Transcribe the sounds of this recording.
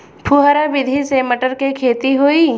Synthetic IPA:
pʰuɦaɾabɪd̪ʱiseməʈəɾkekʰeːt̪iɦoiː

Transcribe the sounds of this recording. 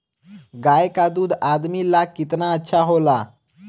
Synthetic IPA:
ɡajkad̪ud̪ad̪milakit̪naətːɕʰaɦola

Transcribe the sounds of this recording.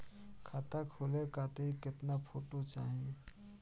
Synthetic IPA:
kʰaːt̪akʰoːlekaːt̪eɦikɪt̪napʰoːʈot͡ʃaːɦĩ

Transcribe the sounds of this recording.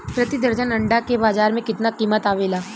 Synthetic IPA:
pɾɐt̪id̪əɾd͡ʒənɐ̃ɳɖakebaːzaːɾmẽkɪt̪nakiːmət̪aːʋeːlaː

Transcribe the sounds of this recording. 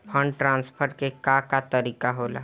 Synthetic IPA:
pʰə̃ɳɖʈɾãːnspʰəɾkekakat̪əɾiːkaɦoːla̰

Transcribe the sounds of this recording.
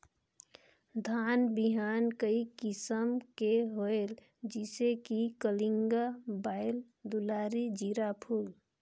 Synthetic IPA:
d̪ʱaːnbiɦaːnkəikɪsəmkeɦoel | d͡ʒisekikəlɪŋɡabaːɪl | d̪ulaːɾid͡ʒiɾapʰuːl

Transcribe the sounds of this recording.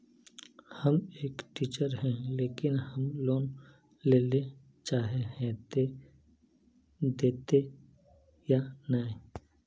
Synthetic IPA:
həmeːkʈiːt͡ʃəɾɦɛ̃leːkɪnhəmloːn | leːle | t͡ʃaːɦeɦɛ̃t̪e | d̪eːt̪e | janaĩ

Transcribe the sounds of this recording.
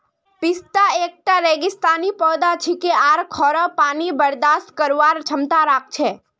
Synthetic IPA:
pɪst̪aeːk̚ʈaɾeːɡɪst̪aːnipɔːd̪at͡ʃʰikeaːɾkʰɔːɾəpaːnibəɾd̪aːst̪̚kəɾʋaːɾt͡ʃʰəmt̪aɾaːk̚t͡ʃʰe

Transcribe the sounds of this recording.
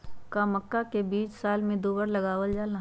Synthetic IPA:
kaməkːakebiːt͡ʃsaːlmẽd̪uːbəɾlɐɡaːwəld͡ʒaːla

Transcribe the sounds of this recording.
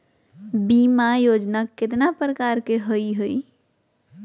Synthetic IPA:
bimajod͡ʒnakːet̪napɾəkaɾkeɦəjɦoj

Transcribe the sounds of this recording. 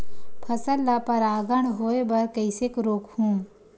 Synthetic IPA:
pʰɐsəlːapɐɾaːɡəɳ̃ɦoːebɐɾkɐɪsekɾoːkhũː

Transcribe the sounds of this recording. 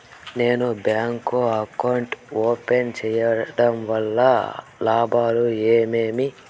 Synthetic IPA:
ne̞ːnubjaːŋkoɐkːɐɳʈoːpent͡ʃɛjɐɖɐmʋɐlːɐ | laːbaːlueːmeːmi

